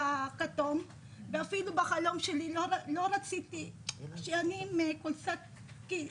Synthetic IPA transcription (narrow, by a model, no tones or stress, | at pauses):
akat̪om | veafilubaxalo̞mʃeliloɾalo̞ɾat͡sit̪iʃeanimekolsak | ki